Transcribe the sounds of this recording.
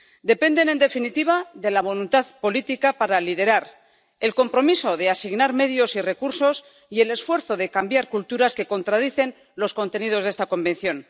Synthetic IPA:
d̪e̞pe̞nd̪e̞ne̞nd̪e̞finit̪iβ̞aðe̞laβ̞o̞lunt̪aðpo̞lit̪ikapaɾalið̞e̞ɾaɾ | e̞lko̞mpɾo̞misoðe̞asiɣnaɾme̞ðjo̞sire̞kuɾso̞s | ie̞le̞sfwe̞ɾθo̞ðe̞kambjaɾkult̪uɾaske̞ko̞nt̪ɾaðiθe̞n | lo̞sko̞nt̪e̞nið̞o̞zðe̞st̪ako̞mben̟θjo̞n

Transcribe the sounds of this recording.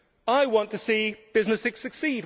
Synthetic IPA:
aɪwɒ̃ntʰəsiːb̥ɪznəsɪksɨksid̚

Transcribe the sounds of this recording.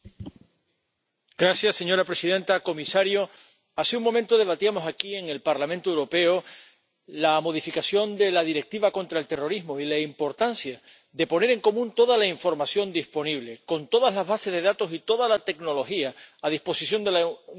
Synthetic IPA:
ɡ̥ɾasjasːe̞ɲo̞ɾapɾe̞siðe̞nt̪ako̞misaɾjo | aseuŋmomẽnt̪oðe̞β̞at̪iamo̞sakie̞ŋe̞lpaɾlamẽnt̪oewɾo̞pe̞o | lamo̞ð̞ifikasjo̞nd̪e̞laðiɾe̞k̚t̪iβako̞nt̪ɾae̞lt̪ero̞ɾiɦmo̞ilaimpo̞ɾt̪ansja | ðe̞po̞ne̞ɾe̞ŋko̞mũnt̪o̞ðalaiɱfo̞ɾmasjõ̞nd̪ispo̞niβle̞ko̞nt̪o̞ðazlazβase̞ðe̞ðat̪o̞sit̪o̞ðalat̪e̞kno̞lo̞xiaːðihpo̞sisjo̞nd̪el

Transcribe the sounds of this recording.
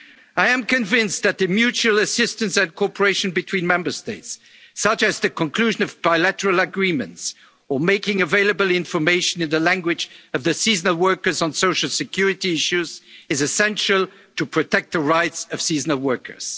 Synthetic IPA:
aɪɨ̃mkɨ̃ɱvɪ̃nsðɨt̪̚ðɨmjʉt͡ʃul̩ˠɨsɪstɨ̃nsɨ̃nkʰɔpə˞eɪʃɨ̃nbɨtʰw̥ĩnmɛ̃mbə˞steɪts | ʌt͡ʃɨzðɨkʰə̃nkʰl̥ʉʒɨ̃nʌvbaɪlæɾə˞əl̩ˠəɡɹĩmɨ̰̃nts | ə˞meɪkɪ̃ŋɨveɪlˠəbəl̩ˠɪ̃ɱfə˞meɪʃɨ̃nɨ̃nðəlæ̃ŋɡwɪd͡ʒʌvðɨsiznəl̩ˠwɜ˞kə˞zn̩soʊʃl̩ˠsɨkʰj̥ʊɹɨɾiɪʃʉzɨzɨsɛ̃nʃəl̩ˠ | tʰɨpʰɹ̥ɨtʰɛk̚t̪̚ðəɹaɪtsʌv̥siznəl̩ˠwɜ˞kə̰˞z̥

